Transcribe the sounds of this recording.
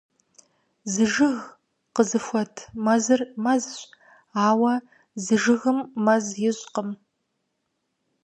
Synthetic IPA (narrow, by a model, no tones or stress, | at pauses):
zɨʒɨɣ | qəzɨfʷɔtʰmɐzɨrmɐzɕ | aːwɐ | zɨʒɨɣɨmːɐzjɪɕʼqəm